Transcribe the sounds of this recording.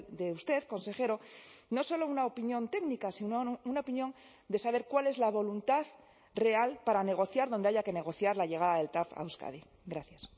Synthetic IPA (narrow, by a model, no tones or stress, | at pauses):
d̪eust̪e̞ðko̞nse̞xe̞ɾo̞no̞so̞lo̞unaopinjõ̞nt̪e̞ɡnikasinounaopinjõ̞n | d̪e̞saβ̞e̞ɾkwale̞zlaβ̞o̞lunt̪að | re̞alpaɾane̞ɣ̞o̞θjaɾðo̞nd̪aʝake̞ne̞ɣ̞o̞θjaɾlaʎe̞ɣaðaðe̞lt̪afa̰wska̰ði | ɡɾaθjas